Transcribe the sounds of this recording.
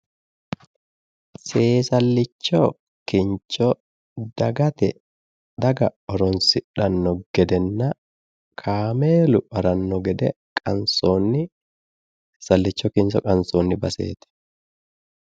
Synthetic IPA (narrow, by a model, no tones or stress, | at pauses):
seːsɐlːɪt͡ʃːɔ | kɪnt͡ʃːɔ | d̪̥ɐɡɐt̪ɛ | d̪ɐɡɐɔɾɔnsɪᶑɐnːɔɡ̥ɛd̪ɛnːɐ | kʰaːmeːlʊɐɾɐnːɔɡɛd̪ɛ | kʼɐnsoːnːɪ | sɐlːɪt͡ʃːɔkɪnsɔkʼɐnsoːnːɪbɐsḛːt̪ɛ̥